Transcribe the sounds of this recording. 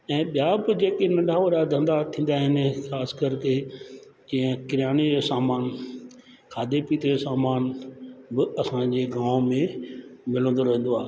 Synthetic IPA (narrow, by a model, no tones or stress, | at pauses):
ɛ̃ːɓijabɪd͡ʑeːkenɐɖʱaːʋəɾad̪ʱɐ̃nd̪at̪ʰĩːnd̪aɦɪnxaːskɐɾke | d͡ʑĩːə̃kɪɾjaːñed͡ʑosaːmaːn | kʰaːd̪epiːt̪osaːmaːnbɪɐsãd͡ʑeːɡãːʋmẽmɪlə̃nd̪oɾɐɦĩn̆d̪oaːɦ